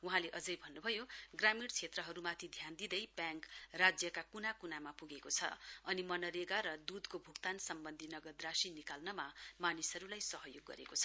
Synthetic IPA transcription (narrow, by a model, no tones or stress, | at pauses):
uɦãleʔʌd͡zʌjbʱʌnːubʱʌjoɡramiɽt͡sʰet̪rʌɦʌɾumat̪ʰid̪ʱjand̪id̪ʌjbjãŋkrad͡zjʌkakunakunamapuɡekot͡sʰʌ̰ʌnimʌnʌɾeɡaɾʌd̪ud̪kobʱukt̪ansʌmbʌnd̪ʱinʌɡʌd̪rasinikalnʌmamanisʌɾulajsʌɦʌjoɡːʌ̰ɾḛkot͡sʰʌ̥